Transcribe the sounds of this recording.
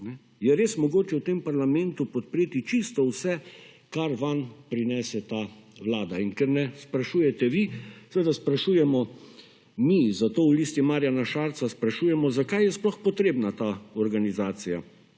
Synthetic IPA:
nɛ | jɛɾeːsmɔɡoːt͡ʃɛwt̪empaɾlamɛ̃nt̪upɔt̪̚pɾeːt̪it͡ʃist̪ɔwsɛ | kaɾʋanpɾinɛːsɛt̪aː | wlaːd̪ainkɛɾnɛspɾaʃuːjɛt̪ɛʋisʋeːd̪aspɾaʃuːjɛmɔ | mizat̪oːwlist̪imaːɾjanaʃaɾt̪saspɾaʃuːjɛmɔzakajjɛsplɔxpɔt̪ɾeːbnat̪aɔɾɡanizaːt̪sija̰

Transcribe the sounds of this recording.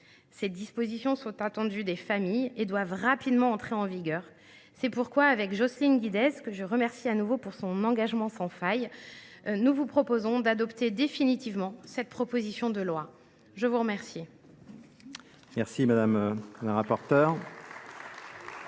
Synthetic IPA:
sed̪ispozisjɔ̃sɔ̃t̪at̪ɑ̃d̪yd̪efamijed̪wavʁapid̪mɑ̃ːɑ̃t̪χeɑ̃viɡʲœːʁ | sɛpuʁkwaːvɛkʒɔslinɡʲid̪ɛzkəʒəʁəmɛʁsianuvopuʁsɔ̃nɑ̃ɡaʒmɑ̃sɑ̃faj | nuvupχɔpozɔ̃d̪ad̪ɔpt̪ed̪efinit̪ivmɑ̃sɛt̪̚pχɔpozisjɔ̃d̪əlwa | ʒəvuʁəmɛʁsi | mɛʁsimad̪amləʁapɔʁt̪œːʁ

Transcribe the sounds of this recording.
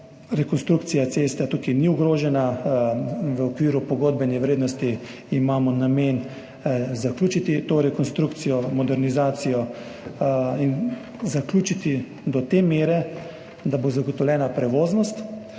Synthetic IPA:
ɾɛkɔnst̪ɾuk̚t̪sijat̪sest̪ɛt̪ukiniuɡɾoːʒɛna | ʋəɔkʋiːɾupɔɡoːd̪̚bɛnɛʋɾeːd̪nɔst̪iː | maːmɔnamen | zaklʲjuːt͡ʃit̪it̪oːɾɛkɔnst̪ɾukt̪sijɔmɔd̪ɛɾnizaːt̪sijɔ | in | zaklʲuːt͡ʃit̪i | d̪ɔt̪emeːɾɛ | d̪abozaɡɔt̪ɔwlʲjɛːnapɾɛʋoːznɔst̪

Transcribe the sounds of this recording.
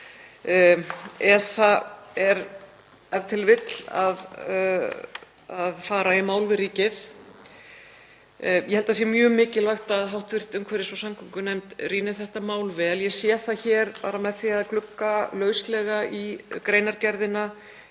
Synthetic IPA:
ɛːsaɛɾ | ɛɾ̥t̪ʰɪlvɪt̪l̥a̰ð | aðfaːɾaimaːwlvɪɾiːcɪθ | jɛhɛlt̪as̬jɛmjœːmɪːcɪlvajxt̪aːðɦawht̪vɪr̥t̪ʏmkʰvɛːɾɪsɔsamkʰʏŋkʏnɛmt̪riːnɪ̥θɛht̪amaːwlvɛljɛsjɛθaçɛːɾpa̰ːɾamɛðfiaðklʏkːalœːɥslɛɣaikɾeːjnaɾcɛɾðɪna

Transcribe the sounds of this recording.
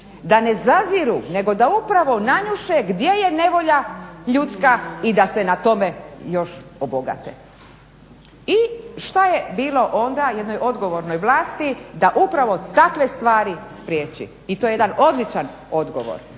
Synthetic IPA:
d̪ane̞zaziɾune̞ɡo̞d̪aupɾaʋo̞naɲuʃeɡd̪je̞je̞ne̞ʋo̞ʎaʎut̪skaid̪ase̞nat̪o̞me̞jo̞ʃoboɡa̰t̪ḛ | iʃt̪ajebiːlˠo̞ʔond̪aje̞d̪no̞jo̞d̪ɡo̞ʋo̞ɾno̞jʋlˠaːst̪id̪aʔupɾaʋo̞t̪akʋe̞st̪ʋaːɾispɾjeːt͡ɕḭ | it̪ojejed̪ano̞d̪lit͡ʃan | o̞d̪ɡo̞̰ʋo̰ɾ

